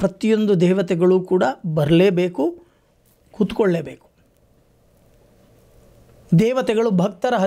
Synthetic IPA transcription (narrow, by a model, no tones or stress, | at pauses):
pɾɐt̪ijo̞nd̪ud̪ɛːʋɐt̪ɛɡɐɭuːkuːɽɐbɐɾɐleːbeːku | kut̪u̥koɭːeːbeːku̥ | d̪ɛːʋɐt̪ɛɡɐɭubʱɐk̚t̪ɐɾɐɦɐ